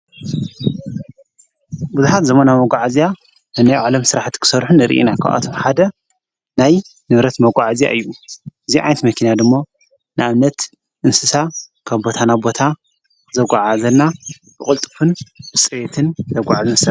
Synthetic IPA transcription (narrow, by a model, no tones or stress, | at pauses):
buzuħat̪zɐmɐnamɐɡʷaʕazija | ɨnajʕalɐmsɨɾaħt̪i̥kʰɨ̥sɐɾħunːɨɾɨ̰ʔḭnakʰa̰ʔa̰t̪ʰoħad̪ɐ | naj | nɨβɾɐt̪mɐɡʷʼaʕazija̰ʔɨjːuʔɨziʕa̰jnt̪mɐkʰinad̪ɨmːo̞ | nɨʔaβnɐt̪ | ʔɨnsɨsa | kʰaβbo̞t̪ʰanabo̞t̪ʰa | zɐɡʷaʕazɐnːa | bɨkʼɨlt̪ʼɨfɨnbɨsʼjet̪ʰɨnzɐɡʷaʕazɐns